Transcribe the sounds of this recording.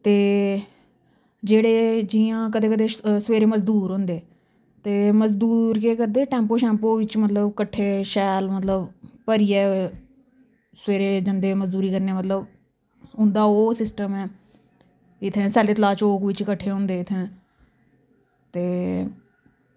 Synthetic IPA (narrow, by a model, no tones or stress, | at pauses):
t̪eː | d͡ʒeːɽeːd͡ʒiãːk̬əd̪eːkəd̪eːsʋeːɾeːməzd̪uːɾɦʊ̃ːnd̪eː | t̪eːməzd̪uːɾkeːkəɾd̪eːʈɛ̃ːmpoːʃɛ̃ːmpoːʋɪt͡ʃmət̪ləbkəʈʰːeːʃɛːlmət̪ləbpəɾiːɛː | sʋeːɾeːd͡ʒənd̪eːməzd̪uːɾiːkəɾneːmət̪ləb | ɦʊ̃nd̪aːoːsɪsʈəmɛː | ɪt̪ʰːɛ̃ːsɛːleːt̪əlaːt͡ʃoːkʋɪt͡ʃkəʈʰːeːɦʊ̃ːnd̪eːɪt̪ʰːẽː | t̪eː